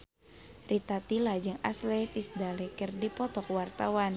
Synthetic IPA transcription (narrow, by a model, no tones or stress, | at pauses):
rʔit̪at̪ilad͡ʒɨŋa̰slɛt̪isdalɛkərdipɔt̪ɔkwart̪awan